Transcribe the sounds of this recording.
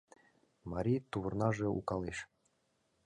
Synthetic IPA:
mɑɾʲijt̪uβɤ̆rnɑʒɤ̆ṵkɑleʃ

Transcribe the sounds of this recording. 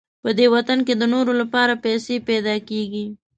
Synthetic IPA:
pəd̪ewat̪ank̬ed̪ənoɾolapɑɾapɛsepɛd̪ɑkeɡi

